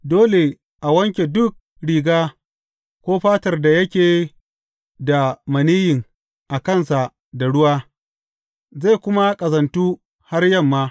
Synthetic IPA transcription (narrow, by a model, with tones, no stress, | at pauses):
doː˦le˨ | ʔa˨wɐ˦ŋkʲe˨dʊ˦k̚ | ɽiː˨ɡaː˦ | kʷoː˦ɸaː˦tɐ˨rda˨jɐ˦kʲeː˨ | da˨mɐ˨niː˦jɪ˨ŋ | ʔa˨kɐ˦˨nsa˨ | da˨ɽʊ˦waː˦ | za˦˨jkʷʊ˦ma˦kʼɐ˨zɐ˨ntuː˦ | ha˦rjɐ˦˨mːaː˦